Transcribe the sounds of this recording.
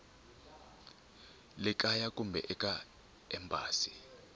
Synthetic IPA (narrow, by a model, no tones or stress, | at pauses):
lɪk̬ʼajakʼumbʱɛ̰ʔɛkʼa | ɛmbʱʼa̰ːsi̥